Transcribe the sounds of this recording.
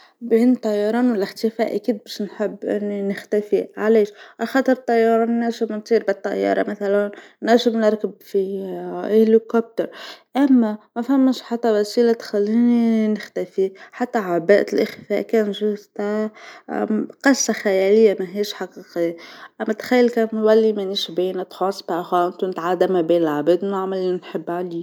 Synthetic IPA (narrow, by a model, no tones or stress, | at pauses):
beːnt̪ˤːɑjːɑɾˤɑːnwɪlʔɪxt̪ɪfæːʔæ̰kiːd̪̚bæːʃnħɪbːʔɪ̰nːinɪxt̪æfiʕaliːʃʔaxɑːt̪ˤəɾˤt̪ˤːɑjːɑːɾˤɑːnnæʒɪmnt̪ˤiːɾbɪt̪ˤːɑjːɑ̰ːɾˤɑ̰maθælæn | nːæʒɪmnɑɾˤkəbfi | ɪhlikop̚t̪əɾˤʔæmːæmæfæmːæʃħat̪ːæwæsiːlat̪xælːiːninɪxt̪æfiħat̪ːæʕabæːʔlʔɪxfæːʔkæːnʒuzt̪a | qɑsːaxæjæːlɪjːamæɦiːʃħɑqiːqijːaʔæmːæt̪xajːɪlkænwælːimæniʃbiːnat̪xosˤbxaʔɪnt̪unɪt̪ʕad̪ːamæbiːnɪlʕabid̪naʕmalːnħɪbːʕaliː